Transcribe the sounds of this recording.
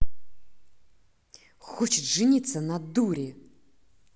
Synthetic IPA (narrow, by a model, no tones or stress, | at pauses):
xɔt͡ʃɪt̪ʐɨnʲit̪sənad̪uɾʲɪ